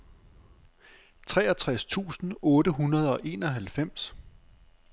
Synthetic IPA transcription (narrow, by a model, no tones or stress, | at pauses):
t͡sʰʁɛːɐt͡sʰʁast͡sʰṵːsn̩ɔ̽ːɾəɦunɐð̞ˠɒ̽ʔe̝ːnɒɦælfem̰s